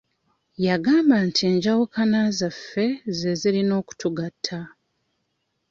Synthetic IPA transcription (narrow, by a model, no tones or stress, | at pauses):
jaɡaːmbantʰieːɲɟawukanazafːe̞ze̞zilino̞ːku̥tuɡatʰːa